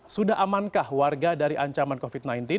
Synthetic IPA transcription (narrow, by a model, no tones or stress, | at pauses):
sudaɦamankahwarɡadaɾiʔaɲt͡ʃamankofit̪̚najnt̪ɪ